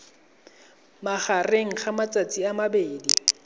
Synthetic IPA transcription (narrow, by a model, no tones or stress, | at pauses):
maχareŋ̩χamat͡sʼat͡sʼiamabeːdi